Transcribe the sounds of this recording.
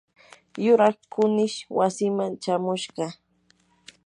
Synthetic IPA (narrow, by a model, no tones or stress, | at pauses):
jʊɾɑχkʊnɪʃwasɪmant͡ʃamʊʃɢɑ